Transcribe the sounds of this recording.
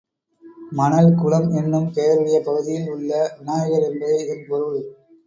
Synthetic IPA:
mɐnɐlkʊɻɐmɛnːɯmkeːɾɯɽɪjɐpːɐɣɯðɪjɪlʊɭːɐnaːjɣɐlɛnbɐðɐɪɪnpɔɾɯɭ

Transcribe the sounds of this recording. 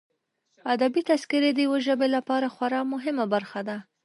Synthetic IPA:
ad̪abit̪askɪɾed̪əjweʒəbelapɑɾaxwaɾɑmʊɦɪmabaɾxad̪a

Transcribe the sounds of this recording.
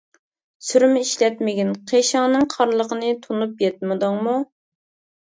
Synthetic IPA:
syɾmɪiʃlɛt̪mɪɡʲinqʰeʃɑŋnɨŋqʰɑɾlˠəqənɨt̪ʰunupjɛt̪̚mɨd̪uŋmu

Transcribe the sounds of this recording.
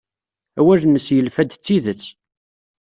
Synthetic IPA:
æwæʒməsjəlfæd̪t͡sːiðət͡sː

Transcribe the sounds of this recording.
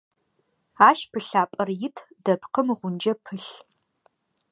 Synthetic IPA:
aːʃpʰɨɬaːpʼɐrjɪtʰ | dɐpqəmʁʷʊnd͡ʒɐpʰɨɬ

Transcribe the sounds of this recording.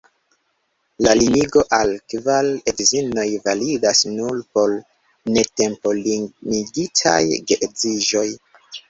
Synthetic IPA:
laliniɡo̞ʔalkvale̞ɡzino̞jvalidasnulpo̞l | ne̞te̞mpo̞limiɡitʰa̰jɡeziʒo̞j

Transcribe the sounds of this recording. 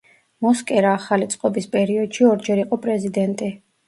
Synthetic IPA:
mɔskʼɛɾaːχalit̪sʼqʼɔbispʼɛɾiɔd̪̥ʃiɔɾd͡ʒɛɾiqʼɔpʼɾɛzid̪ɛnt̪ʼi

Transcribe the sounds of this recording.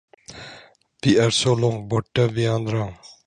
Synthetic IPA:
ʋiːaːɾsoːlɔ̃ŋbɔʈːəʋiːãnd̪ɾãŋ

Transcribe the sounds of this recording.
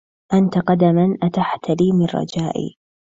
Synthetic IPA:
ʔant̪aqɑd̪amanʔat̪aħt̪aliːmɪnrˤːɑ̰d͡ʒaːʔḭː

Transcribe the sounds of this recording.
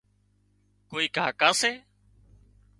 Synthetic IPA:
koːiːkaːkaːseː

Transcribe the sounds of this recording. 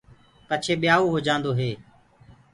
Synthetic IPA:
pət͡ʃʰeːɓɪjaːoːɦoːd͡ʒãːnd̪oːɦeː

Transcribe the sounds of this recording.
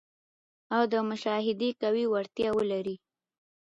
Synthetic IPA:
awd̪əmʊʃɑɦɪd̪ekawiwaɾt̪jɑwəlaɾi

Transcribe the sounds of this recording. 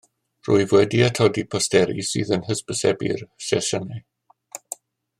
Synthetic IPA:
rʊ̰ɨvwɛdiatʰɔdipʰɔstɛɾḭsɨ̰ːðənhəspəsɛbḭrsɛsənɛ

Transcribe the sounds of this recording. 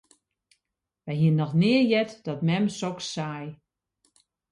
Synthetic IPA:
ʋɛjɦiənːɔxnɪəjɛtd̥ɔtmɛmsɔkssaj

